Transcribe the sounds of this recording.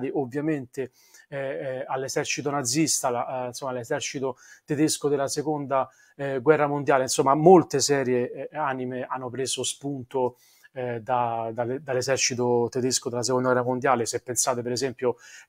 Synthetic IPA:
t̪iʔovːjament̪e | alːezɛrt͡ʃit̪̬onad̪zːist̪aansomːalezɛrt͡ʃit̪ot̪ed̪eskod̪elasekond̪a | ɡwɛrːamond̪jaːleinsomːamolt̪esɛːɾjeaːnimeanːopɾeːzospunt̪o | d̪ad̪ald̪alːezɛrt͡ʃit̪̬ot̪ed̪eskod̪elas̬ekond̪aɡwɛrːamond̪jaːlesepːensaːt̪epeɾezɛmpjo

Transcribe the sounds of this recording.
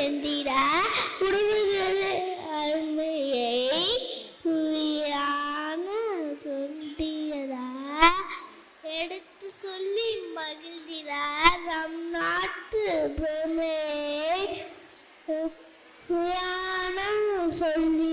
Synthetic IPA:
ɛnd̪iɾakʊɽʊʋɯɣɐɾɐɾmɐjɐɪɪsujaːnɐsɔnɖɪɐɾaː | ɛɽɯt̪ːɯsɔlːimɐɣɪld̪iɾanɐmnaːʈːɯpɾeːmɐjɐ | sujaːnɐsɔlːi

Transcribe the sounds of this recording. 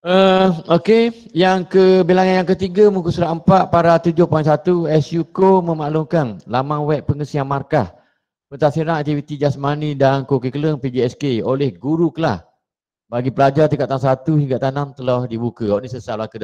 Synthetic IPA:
əokejaŋkəbelaŋanjaŋkət̪iɡamukusuɾaʔəmpaʔ̪̚paɾat̪ud͡ʒʊhpainsat̪uɛsjukomə̃maʔlʊŋkanlamawɛppːəŋəsiaŋmarkah | pət̪asiɾaŋak̚t̪ivit̪id͡ʒasmanidankokəkələŋpid͡ʒiɛskeolɛhɡuɾukəlah | baɡipəlad͡ʒart̪ikaʔt̪aŋs̬at̪uɦiŋɡaʔt̪anamt̪əlɔhdibukawaʔnisəsablakəd

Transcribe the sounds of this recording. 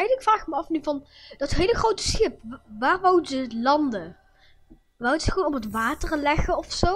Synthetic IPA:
ɛdəɪkfraːχməɑfnyvɑn | d̥ɑtɦejləxrowtə̥sxɪpʋaːrʋawdəzəlɑndə | ʋawdəzəəʋoːnɔpɦətʋaːtərlɛχəɔfso

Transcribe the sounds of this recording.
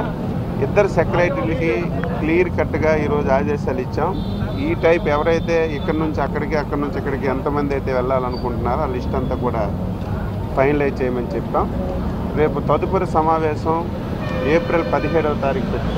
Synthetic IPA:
id̪ːɐɾusɐkɐlɐjʈiliki | kliːɐɾkɐʈːɐɡaːiːɾo̞ːd͡ʒuaːd͡ʒɛːsaːlit͡ʃːaːm | iːʈɐjpɛʋɐɾɐjt̪e̞ːikːɐɽɐnuɲt͡ʃiɐkːɐɽikiɐkːɐɽɐnuɲt͡ʃikːɐɽikiɛnt̪ɐmɐnd̪iɐjt̪e̞ːʋɛɭːaːlɐnukuɳʈunːaːɾuaːlisʈɐnt̪aːkuːɽaː | pʰɐjnlɐj̚t͡ʃɛːjɐmɐnit͡ʃɛpt̪aːm | ɾe̞ːput̪ɐd̪upɐɾusɐmaːʋɛːʃɐm | eːpɾilpɐd̪iɦɛːɽɐʋɐt̪aːɾiːkupe

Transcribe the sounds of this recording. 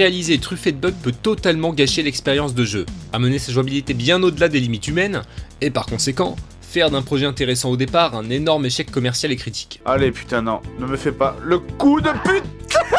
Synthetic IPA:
ʁealizet̪χyfed̪bœk̚pøt̪ɔt̪almɑ̃ɡaʃelɛkspeʁjɑ̃s̬d̪əʒøamənesaʒwabilit̪ebjɛ̃nod̪əlad̪elimit̪ymɛnepaʁkɔ̃sekɑ̃ | fɛʁd̪ɛ̃pχɔʒɛɛ̃t̪eʁesɑ̃od̪epaʁɛ̃nenɔʁmeʃɛkːɔmɛʁsjalekχit̪i̥kʲalepy̥t̪ɛ̃nɔ̰̃nəməfɛpaləkud̪əpyt̪

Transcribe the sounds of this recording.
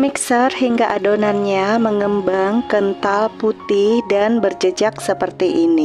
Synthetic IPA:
miksərɦiŋɡaʔadonanɲaməŋəmbaŋkənt̪alput̪ɪhdanbərd͡ʒəd͡ʒaksəpərt̪iʔini

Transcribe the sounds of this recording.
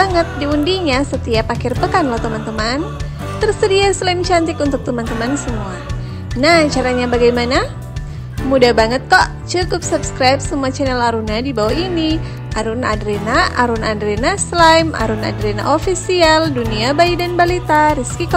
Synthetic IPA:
aŋət̪̚diundiɲasət̪iapakɪrpəkanlɔt̪əmant̪əman | t̪ərsədiaslamt͡ʃant̪ɪkunt̪ʊk̚t̪əmant̪əmansəmua | naht͡ʃaɾaɲabaɡajmana | mudabaŋət̪̚kɔʔ | t͡ʃukup̚supskɾajp̚səmuat͡ʃɛnɛlaɾunadibawaini | aɾʊna̰dɾenaʔaɾunandɾɛnaslajma̰ɾuna̰dɾena̰ʔofisialduniabaidanbalit̪aɾiskikɔ

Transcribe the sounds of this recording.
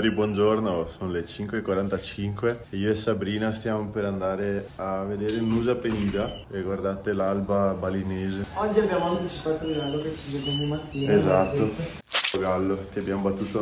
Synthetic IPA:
ɾibwɔnd͡ʒornosoːnolet͡ʃiŋkwekwaɾant̪at͡ʃiŋkweiːoɛsabɾiːnast̪jaːmopeɾand̪aːɾeavːed̪eːɾeunuːzapeniːd̪a | eɡward̪aːt̪elalbabalineːzeɔd͡ʒːiabjaːmoant̪it͡ʃipaːt̪oilɡalːoket͡ʃːived̪eɔɲːimat̪ːiːnezat̪ːo | oɡalːot̪iabjamobat̪ːuːt̪o

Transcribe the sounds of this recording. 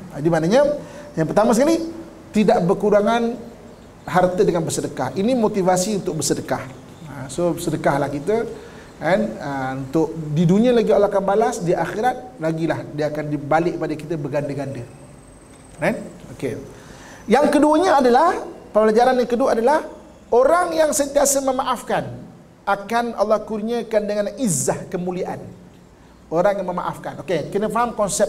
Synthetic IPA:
adimaʔnaɲajaŋpərt̪amasəkali | t̪idaʔbərkuɾaŋan | ɦart̪ədəŋanbəsədəkahinimot̪ivasiunt̪ʊk̚bəsədəkah | əsosədəkahlahkit̪ə | anəunt̪ʊk̚diduniəlaɡialakambalasdiʔaxiɾat̪̚laɡilahdiəakandibalɪk̚padəkit̪əbəɡandəɡandə | kanoke | jaŋkəduəɲaːdalahpəplad͡ʒaɾanjaŋkəduaadalah | oɾaŋjaŋsənt̪iasəməmaʔafkan | ʔakanɑ̰lˠːɑhkurɲəkandəŋanizːahkəmuliaʔa̰n | oɾaŋjaŋməma̰ʔafkanokekinəfaɦamkɔnsɛp̚

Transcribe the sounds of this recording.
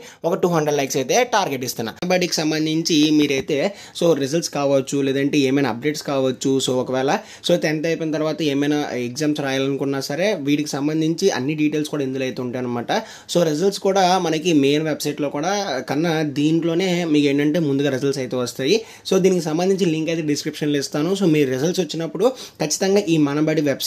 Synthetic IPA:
ɔkɐʈuːɦɐɳɖɾeɖlɐjksɐjt̪eːʈaːɾɡeʈist̪unːa̰baːɖiːki̥sɐmbɐnd̪iɲt͡ʃimiːɾɐjt̪e̞ː | so̞ːɾizɐlʈskaːʋɐt͡ʃːuleːd̪ɐɳʈe̞ːeːmɐjnaːp̚ɖeːʈskaːʋɐt͡ʃːusoːɔkɐʋɛːlɐ | so̞ːt̪ent̪ɐjpinɐt̪̬ɐɾʋaːt̪ɐeːmɐjnaeɡzaːmsɾaːjalɐnukuɳːaːsɐɾe̞ːʋiːʈikisɐmbɐnd̪ʱiɲt͡ʃiʔɐ̰nːiɖiːʈeːlskuːɽaːind̪uloːɐjt̪euɳʈaːɐnɐmaːʈɐ | so̞ːɾizɐlʈskuːɽaːmɐnɐkimeːnʋebsɐjʈlo̞ːkuːɽaːkɐnːɐd̪iːɳʈlo̞ːne̞ːmiːke̞ːɳʈɐɳʈe̞ːmund̪uɡaːɾizɐlʈsɐjt̪e̞ːʋɐst̪aːji | so̞ːd̪iːnikisɐmbɐnd̪ʱiɲt͡ʃiliŋkɐjt̪eɖiskɾipʂɐnlist̪aːnuso̞ːmiːɾuɾizɐlʈsʋɐt͡ʃːinɐpːuɽukɐt͡ʃːi̥t̪ɐŋɡaːʔiːmɐnɐbɐɽiʋeb

